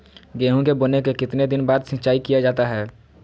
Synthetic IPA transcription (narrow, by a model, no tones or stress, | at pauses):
ɡeːɦõkeboːnekekɪt̪ned̪ɪnbaːd̪sɪ̃t͡ʃaːikijad͡ʒaːt̪aɦɛː